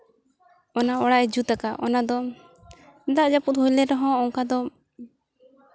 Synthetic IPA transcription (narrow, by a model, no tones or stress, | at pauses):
ɔnaɔɽaʔɛd͡ʒut̪akaʔɔ̰nad̪ɔ | d̪aʔd͡ʒaput̪̚hujlɛɾɔɦɔ̃ːŋkad̪ɔ